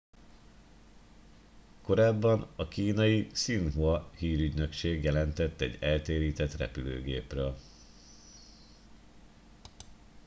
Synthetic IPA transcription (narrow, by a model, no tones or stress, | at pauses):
ko̞ɾaːbːɒnɒkiːnɒjisinɦuɒhiːɾyɟnø̞kʃeːɡjɛlɛnt̪ɛt̪ːɛ̰ɟɛlt̪eːɾiːt̪ɛt̪rɛ̰pylø̰ːɡḛːprøːl